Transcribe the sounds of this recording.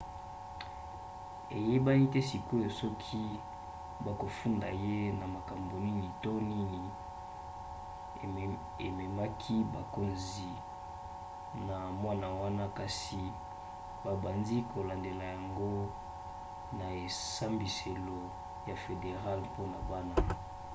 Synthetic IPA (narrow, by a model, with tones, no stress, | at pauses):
ḛ˨je˦ba˦ni˦tɛ˦si˨ko˦jo˨sɔ˦kʰi˦ | ba˨ko˨fu˦nda˨je˦na˨ma˨ka˨mbo˨ni˦ŋi˨to˦ni˦ni˨ | e˨me˨ma˦kʰi˦ba˨ko˨nzi˨ | na˨mwa˦na˨wa˦na˦ka˨si˨ | ba˨ba˨ndi˦ko˨la˨nde˨la˨ja˨ŋɡo˦ | na˨e˨sa˦mbi˨se˨lo˨ | ja˨fe˨de˨ʁa˦lpo˦na˨ba˦na˦